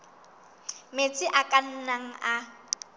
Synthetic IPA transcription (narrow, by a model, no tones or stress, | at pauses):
met͡sʼɪʔakʼan̩naŋ̩a